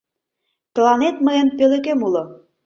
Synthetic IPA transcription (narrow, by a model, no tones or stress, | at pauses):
t̪əlɑnet̪məempølekemulo